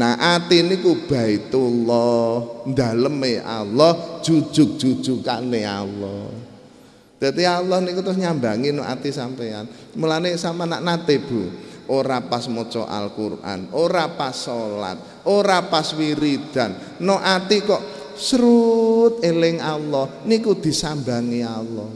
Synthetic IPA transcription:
naʔat̪inikub̥a̤it̪ulɔhnd̪a̤ləmea̰lːɔhʒ̥u̥d͡ʒ̥ʒ̥ʊk̚d̥ʒ̥uk̚d̥ʒ̥ukanea̰lːɔ | d̪̥a̤t̪ialːɔhnikut̪ɾʊsɲambaŋinɔʔat̪isampeanmulanesamanaʔnat̪eb̥uʔoɾapasmɔt͡ʃɔ̰ʔa̰lkurʔa̰noɾapasola̰t̪̚ | oɾapaswiɾid̪̥a̤nː | oʔat̪ikɔʔ | sɾut̪̚elɪŋalːɔhnikud̪̥i̤samba̤ŋialɔh

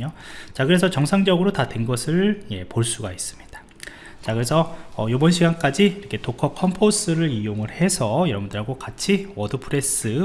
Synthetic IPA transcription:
ot͡ɕakɯɾe̞sʰʌt͡ɕʌŋsʰaŋd͡ʑʌɡɯɾotatwe̞nɡʌsʰɯɭje̞poɭs͈uɡais͈ɯ̥mɲid̥ḁ | t͡ɕakɯɾesʰʌːjobʌnɕʰiɡank͈ad͡ʑiiɾʌkʰe̞tokʰʌkʰʌmpʰos͈ɯɾɯɭijoŋɯɭhe̞sʰʌjʌɾʌbundɯɾɦaɡokat͡ɕʰiwʌdɯpʰɯɾe̞s͈ɯ

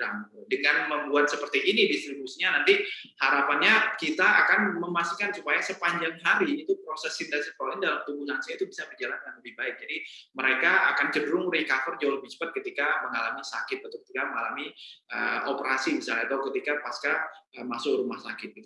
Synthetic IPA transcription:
aŋt̪udəŋanməmbuat̪̚səpərt̪iʔːnidist̪ɾibusiɲanant̪ihaɾapanɲakit̪aːkanməmasikansupajasəpaɲd͡ʒaŋɦaɾiːt̪upɾosɛsint̪ɛnsipɾolɛndalamt̪ubuɦansiait̪ubisabəd͡ʒalankanləbɪhbaɪk̚d͡ʒadiməɾekaa̰kant͡ʃədəɾʊŋrikafərd͡ʒawaləbɪht͡ʃə̥pat̪̚kət̪ikaməŋalamisakɪt̪̚bət̪ʊkə̥t̪ikaməŋalamiə̰opəɾasimisalat̪awkət̪ikapaskaəmasʊkrumahsakɪt̪̚ɡit̪u

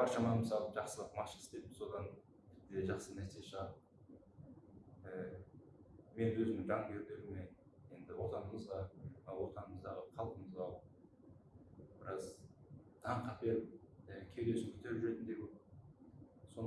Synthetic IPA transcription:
bɑɾʃɑmɑnmɪsɑlˠəʒɑqsəlˠəqmɑʃəst̪ej̪mɪso̞d̪ɑn | pʰɪ̥p̚t̪ːɪd̪e̞ʒɑχsənæɾsejeʃəʁ | ə | me̞nwɵzɪmɪŋʒɑŋɡʲe̞ɾd̪e̞ɾɪme̞je̞nd̪ɪwo̞t̪ɑnəməzʁɑwo̞t̪ɑnəməzd̪ɑʁəqʰɑlˠqəməzɑw | b̥ɪɾɑzt̪ʰɑɴqɑt̪̚be̞ɾɪp̚əkʲʰe̞ɾe̞ʃɪmkʰʲʏt̪e̞ɾʒʏɾe̞t̪ɪnd̪eɡʲe | so̞n

